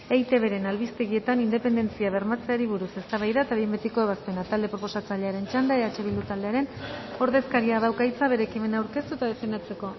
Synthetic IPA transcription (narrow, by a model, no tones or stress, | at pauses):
e̞jt̪e̞βe̞ɾe̞nalβist̪e̞ɣie̞t̪anind̪e̞pe̞nd̪e̞nt͡siaβ̞e̞ɾmat͡se̞aɾiβ̞uɾuse̞st̪aβajðaet̪aβiembet̪iko̞e̞βaspe̞nat̪ald̪epɾo̞po̞sat͡saʎe̞aɾe̞nt͡ʃand̪eeat͡ʃeβild̪ut̪ald̪e̞aɾe̞no̞ɾðe̞skaɾiað̞awkajt͡saβe̞ɾe̞kime̞naːwɾke̞st̪uet̪aðefend̪at͡se̞ko̞